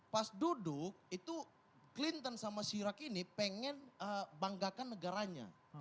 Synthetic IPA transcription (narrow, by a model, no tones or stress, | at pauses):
pasdudʊk̚it̪u | klint̪ənsamasiɾakinipeŋɛnəbaŋɡakanːəɡaɾaɲa̰